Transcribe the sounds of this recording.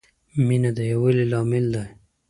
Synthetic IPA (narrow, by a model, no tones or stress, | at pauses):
minad̪əjawililɑːmɪld̪aj